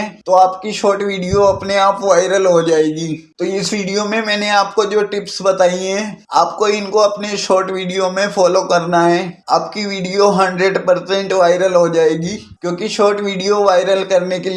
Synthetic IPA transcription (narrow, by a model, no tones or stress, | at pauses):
ɛt̪oaːpkiʃɔːɾʈʋiːɖijoɐpneaːpʋaːɪɾəlɦod͡ʒaːeːɡiːt̪oɪsʋiːɖijomẽmɛ̃ːneaːpkod͡ʒoːʈɪpsbɐt̪aːiɦɛ̃ːa̰ːpkoɪnkoɐpneʃɔːɾʈʋiːɖijomẽfɔːlokɐɾnaɦɛːaːpkiʋiːɖijoɦɐ̃ɳɖɾeɖpɐɾsɛ̃ɳʈʋaːɪɾəlɦod͡ʒaːeːɡiː | kjõːkiʃɔːɾʈʋiːɖijoʋaːɪɾəlkɐɾnekel